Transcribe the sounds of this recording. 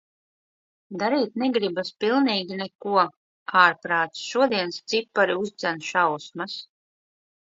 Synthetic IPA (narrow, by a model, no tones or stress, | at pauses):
d̪aɾiːt̪̚nɛɡɾibaspilˠniːɡʲinɛkuɔ | aːɾpɾaːt̪sʃuɔd̪iɛnst̪sipːaɾiuzd̪zænʃawsmas